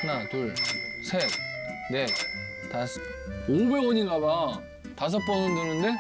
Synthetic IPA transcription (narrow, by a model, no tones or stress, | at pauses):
natuɭsʰene̞ | tasʰ | oɡɯɭoɲiɡaba | tas̬ʰʌk̚p͈ʌnɯndɯnɯnde̞